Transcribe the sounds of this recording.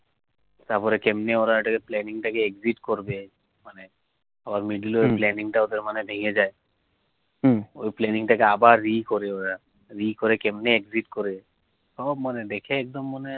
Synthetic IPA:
t̪aɾpɔɾekɛmneoɾaʈakeplɛniŋʈakeːkziʈkɔɾbe | mane | abaɾmiɖilojplɛniŋʈaod̪eɾmanebʱeŋed͡ʒae | ojplɛniŋʈakeabaɾːikɔɾeoɾa | ɾikɔɾekemneeɡziʈkɔɾe | sɔbmaned̪ekʰeːk̚d̪ɔmːane

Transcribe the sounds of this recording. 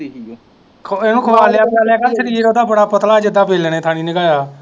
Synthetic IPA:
kʰeːnũːkʰəʋaːljaːpaːljaːkəlsəɾiːɾoːd̪aːbəɽaːpət̪laːd͡ʒɪd̪aːbeːlːnẽːt̪ʰaːñiːneɡaːjaː

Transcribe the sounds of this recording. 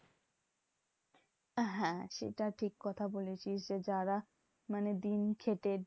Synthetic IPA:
ɦɛ̃ʃḛʈaʈʰikːɔt̪ʰabolet͡ɕʰiʃd͡ʑed͡ʑaɾa | maned̪inkʰeʈe

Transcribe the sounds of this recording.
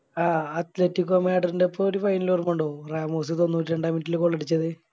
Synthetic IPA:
aːɐt̪letːikːomeːɖɐrindepːooɾufɐjnilʋɐrumuɳɖoːraːmoːs̬ɨt̪o̞nːuːtːiɾe̞ɳɖaːminʈːilkoɭːeɽit͡ɕːɐðɨ

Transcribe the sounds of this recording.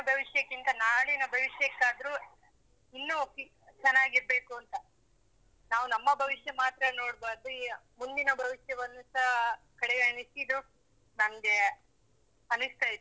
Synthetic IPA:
ɐbʱɐʋiʂjɐkːint̪ɐnaːɭinɐbʱɐʋiʂjɐkːaːd̪ɾu | inːuki | t͡ʃɛnːaːɡiɾbe̞ːkuɐnt̪ɐ | naːʋunɐmːɐbʱɐʋiʃjɐmaːt̪ɾɐno̞ːɽbaːɾd̪u | mund̪inɐbʱɐʋiʂjɐʋɐnːusɐ | kɐɽɛɡɐnisid̪u | nɐmɡe̞ | ɐnust̪aːjit̪ːu

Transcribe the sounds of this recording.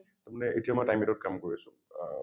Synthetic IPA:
tamanɛʔetiamɔjtajmɛtɔt̚kamkoɹiasʊ̰̃

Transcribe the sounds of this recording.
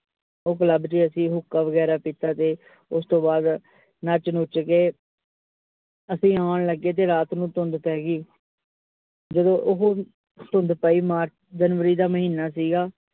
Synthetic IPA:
oːkələbd͡ʒiːəsĩːɦʊkːaːʋəɡɛːɾaːpiːt̪aːt̪eː | ʊst̪õːbaːd̪ | nət͡ʃnʊt͡ʃkeː | əsĩːaːɳ̃ləɡːeːt̪̬eːɾaːt̪nũːt̪ʊnd̪pɛːɡiː | d͡ʒəd̪õːʔʊɦ | t̪ʊnd̪paːiːmaːɾ | d͡ʒənʋəɾiːd̪aːməɦiːnaːsiːɡaː

